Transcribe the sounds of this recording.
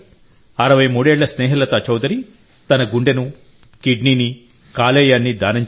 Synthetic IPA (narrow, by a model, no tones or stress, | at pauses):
ɐɾɐʋɐjmuːɽeːɭːɐsnɛːɦilɐt̪ɐt͡ʃɐwd̪ɐɾi | t̪ɐnɐɡuɳɖenu | kiɖniːni | kaːleːjaːnːid̪aːnɐɲ